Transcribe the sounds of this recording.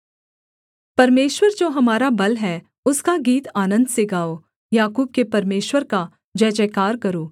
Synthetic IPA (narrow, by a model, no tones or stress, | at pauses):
pɐɾmeːʃwəɾd͡ʒoːɦɐmaːɾabɐlɦɛ | ʊskaɡiːt̪aːnə̃nd̪seɡaːoː | jaːkuːb̚kepɐɾmeːʃwəɾka | d͡ʒɛːd͡ʒɛːkaːɾkɐɾoː